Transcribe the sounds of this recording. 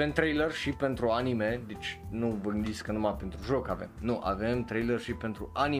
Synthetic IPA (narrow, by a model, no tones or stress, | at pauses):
e̞mt̪ɾejlərʃipe̞nt̪ɾuanime̞d̪et͡ʃʲ | nuvəɡɨnd̪it̪sʲkənumapent̪ɾuʒo̞kave̞̰mnuʔa̰ve̞mt̪ɾejlərʃipe̞nt̪ɾuʔani